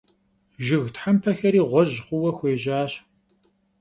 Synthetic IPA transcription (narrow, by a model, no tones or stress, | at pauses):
ʒɨɣtħampʰɐxɐɾiːʁʷɔʑχʷʊwɐxʷeːʒaːɕ